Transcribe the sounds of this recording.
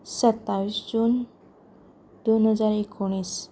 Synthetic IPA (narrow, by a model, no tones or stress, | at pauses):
sət̪ːaʋisd͡ʑuːn | d̪onɦəd͡zaɾekʰoɽ̃is